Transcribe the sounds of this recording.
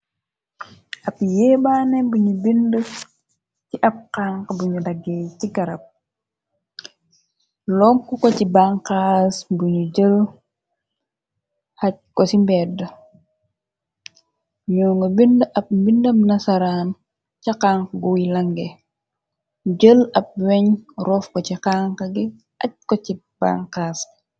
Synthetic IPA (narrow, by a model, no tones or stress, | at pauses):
ʔɐpjɛːbaːnɛbuɲubində | ciʔɐp̚kaŋkbuɲudɐɡɛciɡɐɾɐp̚ | lɔŋkukɔcibaŋkasbuɲuɟəl | hɐc̚kɔsimbɛːdə | ɲɔːŋɡɐbindʔɐp̚mbindɐmnɐsɐɾaːn | cɐkaːŋkɡuwilɐŋɡɛ | ɟəlɐp̚wɛɲrɔːfkɔciqaŋkɐɡi | ʔɐc̚kɔcib̥a̰ŋkaːs